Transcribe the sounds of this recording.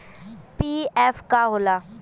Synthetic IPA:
piːɛːfkaɦola

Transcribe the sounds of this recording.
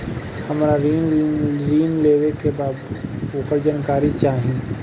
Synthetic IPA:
hɐmaːɾaɾiːnɾiːnleːʋekebaːd̪oːkəɾd͡ʒaːnkaːɾit͡ʃaːɦĩ

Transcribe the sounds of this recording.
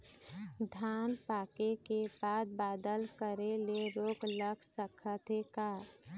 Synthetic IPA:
d̪ʱaːnpaːkekebaːd̪̚baːd̪əlkəɾeleɾoːkləksəkʰət̪ʰekaː

